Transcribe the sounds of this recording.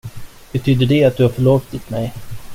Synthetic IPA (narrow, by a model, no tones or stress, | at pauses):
b̥ɛt̪ʰyːd̪əɖɛat̪̚d̪ɵhaɾfœɭoːft̪ɪt̪mɛj